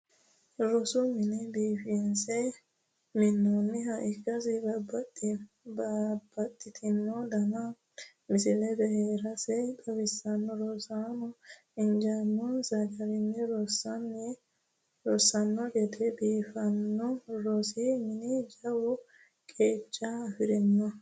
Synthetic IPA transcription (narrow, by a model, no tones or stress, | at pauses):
ɾɔsʊmɪnɪbiːfɪnsɛj | mɪnːɔnːɪɦɐʔɪkʼːɐs̬ɪbɐbɐt̪ʼːɪ | bab̥ːɐt̪ʼːɪt̪ʰɪnːɔd̪ɐnɐ | mɪsɪlɛbɛheːɾɐsɛjt̪ɐwɪsːɐnːɔɾɔsaːnɔ | ɪnd͡ʒanːɔsɐɡɐɾɪnːɛɾɔsɐnːɛ | ɾɔsːɐnːɔɡɛt̪ʰɛbiːfɐnːɔɾɔsimɪnɪd͡ʒɐwʊ | kʼeːt͡ʃʼːɐːfɪɾɪnːɔ